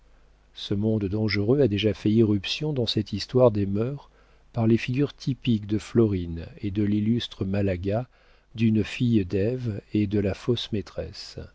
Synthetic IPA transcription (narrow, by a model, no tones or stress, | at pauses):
səmɔ̃d̪ːɑ̃ʒəʁøad̪eʒafɛiʁypsjɔ̃d̪ɑ̃sɛt̪ist̪waʁd̪emœʁ | paʁlefiɡʲyʁt̪ʰipikd̪əflɔʁined̪əlilyst̪χəmalaɡa | d̪ynfijd̪ɛved̪əlafosmet̪χɛ̰s